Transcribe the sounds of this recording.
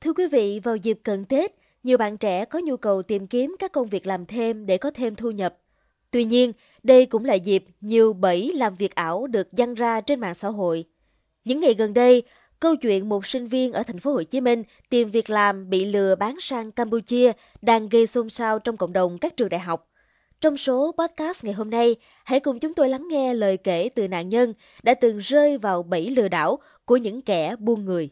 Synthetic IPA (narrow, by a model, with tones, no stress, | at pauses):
t̪ʰɨ˧əkwi˨˦vḭ˧˨vaː˨˩wzi˨˩p̚kə˨˩nke˦˥t̚ | ɲi˨˩əwɓa̰ː˧˨nt͡ɕɛ̰˧˥kɔ˨˦ɲu˧kə˨˩wt̪i˨˩mki˨˦əmkaː˦˥kːə˧wŋ͡mvi˨˩ək̚laː˨˩mt̪ʰe˧mɗe˧˩kɔ˨˦t̪ʰe˧mt̪ʰu˧ɲə˨˩p̚ | t̪wi˧ɲi˧ən | ɗə˧jkʊ̰˧˥ŋ͡mla̰ː˨zi˨˩p̚ɲi˨˩əwɓə˧˩jlaː˨˩mvi˨˩ək̚ʔaː˧˩wɗɨ˨˩ək̚za˧nzaː˧t͡ɕe˧nma̰ː˧˨ŋsa̰ː˧˥ɦo̰˧˨j | ɲɨ̰˧˥ŋːa˨˩jɣə˨˩nɗə˧j | kə˧wt͡ɕwḭ˧˨ənmo˨˩t̚sï˧ŋ̟vi˧ənʔəː˧˩t̪ʰɛ˨˩jŋ̟fo˨˦ho̰˧˨t͡ɕi˨˦mï˧ŋ̟ | t̪i˨˩mvi˨˩ək̚laː˨˩mɓḭ˧˨lɨ˨˩əɓaː˨˦nsaː˧ŋkaː˧mpu˧t͡ɕi˧ə | ɗaː˧ŋɣə˧jso˧msaː˧wt͡ɕɔ˧wŋ͡mkə̰˧˨ŋ͡mɗə˨˩wŋ͡mkaː˦˥k̚t͡ɕɨ˨˩əŋɗaː˧˨jɦa˨˩wk͡p̚ | t͡ɕɔ˧wŋ͡mso˨˦pɔ˦˥t̚kaː˦˥st̚ŋa˨˩jɦo˧mna˧j | ha̰˧˥jkʊ˨˩ŋ͡mt͡ɕʊ˨˦ŋ͡mt̪o˧jla˨˦ŋːɛ˧ləː˨˩jke˧˩t̪ɨ˨˩na̰ː˧˨nɲə˧n | ɗa̰ː˧˥t̪ɨ˨˩ŋzəː˧jvaː˨˩wɓə˧˩jlɨ̰˧˨əɗa̰ː˧˥˩w | ku˧˩əɲɨ̰˧˥ŋkɛ˧˩ɓu˧ənŋɨ˨˩əj